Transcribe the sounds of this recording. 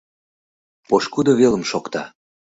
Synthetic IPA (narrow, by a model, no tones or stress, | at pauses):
poʃkud̪oβelə̆mʃokt̪ɑ